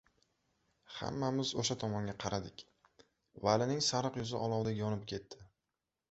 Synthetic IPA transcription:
ha̰mːamɪzoʃat̪ʰɒmɒŋɡʲaqʰɑɾad̪ɪkʲ | valɪnɪŋsaɾɨqjʊzɪʔɒlˠɒwd̪ajɒnɪp̚kʲʰe̞t̪ʰːɪ

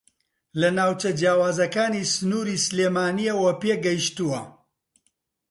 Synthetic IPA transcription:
lɐnaːwt͡ʃɐd͡ʒjaːwaːzɐkaːnisɨnuːɾiːsɨleːmaːnijɐwɐpeːɡɐjʃt̪uwɐ

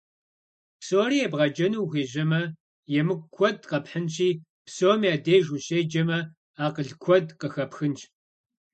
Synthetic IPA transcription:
psoːriːɛbʁɐd͡ʒɐnuwɣeːʑɐmɐ | jɛmɨkʷkʷʰɔdqɐpħənt͡ʃʰʼiː | psoːmjaːdeːjʒuɕeːd͡ʒɐmɐ | aːqəɮkʷʰɔdqəxɐpxɨnt͡ʃʰʼ

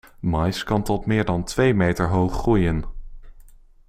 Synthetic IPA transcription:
mɑjskɑntɔtmɪːɹdɑntʋejmejtəɹɦowχrujən

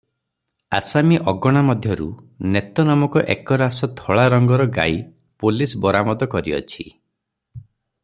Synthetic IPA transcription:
a̰samiʔɔɡɔɽ̃amɔd̪ʱjɔɾṵ | net̪ɔnamɔkɔʔḛkɔɾasɔt̪ʰɔɭaɾɔŋɡɔɾɔɡa̰i | polisbɔɾamɔd̪ɔkɔɾiɔ̰t͡ʃʰi

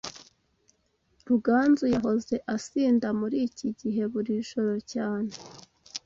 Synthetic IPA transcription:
ɾuɡaːnzujaɦo̞ze̞ʔasiːndamuɾiːciɟiɦe̞βuɾiʒo̞ɾo̞caːn̥e

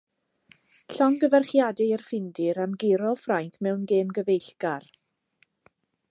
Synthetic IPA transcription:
ɬɔŋɡəvɛrχjadɪərfɪndɪɾamɡɪɾɔfrajŋkʰmɛwnɡeːmɡəvejɬɡ̥ar

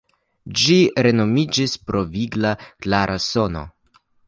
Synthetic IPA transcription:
d͡ʒiɾe̞no̞mid͡ʒispɾo̞viɡlaklaɾʔaso̞no̞̰

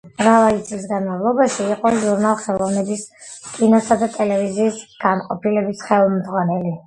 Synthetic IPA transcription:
mɾavalit̪sʼlis̬ɡanmavlˠɔbaʃiːqʼɔʒuɾnalˠχɛlˠɔvnɛbis | kʼinɔsad̪at̪ʼɛlɛviziːsɡ̥anqʼɔpʰilɛbisχɛlˠmd̪ʁwanɛli

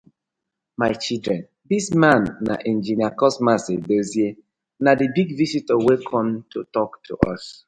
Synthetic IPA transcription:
maɪt͡ʃildɹɛ̃n | dismãnːa̰ʔɛ̃nd͡ʒiniakɔsmasedosje | nadibiɡvisitəwɛkʰɔ̃mtʰutɔktʰṵʔɔ̰s

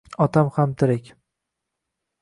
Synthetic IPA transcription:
ɒt̪ʰamhamt̪ʰɪɾɪkʲ

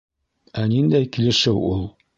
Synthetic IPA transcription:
ænind̪æjkilɘ̆ʃɘwulˠ

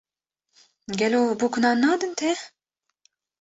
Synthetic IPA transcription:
ɡʲɛloːbukʰʊnɑːnːɑːd̪ɨnt̪ʰe

